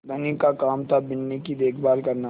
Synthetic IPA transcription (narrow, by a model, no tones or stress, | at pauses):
ɡ̪ɐnikakaːmt̪ʰabɪnːikid̪eːkʰbaːlkɐɾna